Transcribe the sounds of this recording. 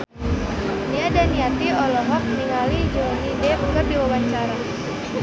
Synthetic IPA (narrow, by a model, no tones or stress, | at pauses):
niadaniat̪iɔlɔɦɔk̚niŋalid͡ʒɔnidɛbəŋɡərdiwawaɲt͡ʃaɾa